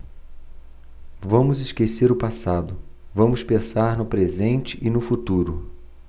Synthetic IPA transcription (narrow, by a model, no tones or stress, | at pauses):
vɐ̃mʊzɪʃkeseɾʊpasad̪ʊvɐ̃mʊspẽsaɾnʊpɾezẽnt͡ʃɪʔɪnʊfut̪uɾʊ